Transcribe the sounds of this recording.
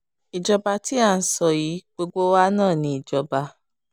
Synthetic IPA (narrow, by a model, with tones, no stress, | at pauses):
i˨d͡ʒɔ˧ba˧ti˦a˦˧n̩˨sɔ˨ji˨˦ɡ͡bo˧ɡ͡bo˦wa˦nãː˦˨nĩ˧˦i˨d͡ʒɔ˧ba˧